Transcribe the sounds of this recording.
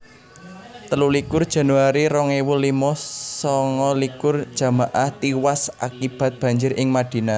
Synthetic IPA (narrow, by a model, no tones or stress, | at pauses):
t̪əlulikʊrd̥ʒ̥a̤nuaɾiɾɔŋewulimɔsɔŋɔlikʊrd̥ʒ̥a̤maʔaht̪iwasʔa̰kib̥a̤t̪̚b̥ä̤ɲd͡ʒɪɾʔɪŋmad̥i̤na